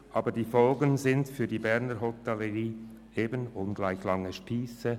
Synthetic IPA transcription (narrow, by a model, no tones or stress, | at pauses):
ʔɑːbədiːfɔlɡənzɪntfyːɐdiːbɛɾnəɾɦɔtɛləʁiː | ʔeːbənʊnɡlaɪçlɑŋəʃpiːsə